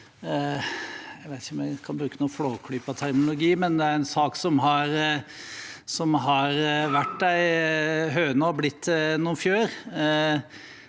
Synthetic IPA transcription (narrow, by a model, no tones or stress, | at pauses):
æɪʋæɪt̪ɪçɔmjækʰɑnbɾʉːkənuːfloːkʰɽyːpɑt̪ʰæɾmnlʊɡiːmɛnd̪ɛæɾɛnsɑːksɔmɦɑɾ | sɔmɦɑɾʋæʈd̪æɪɦœːnəɔblɪt̪ːnuːnfjøːɾ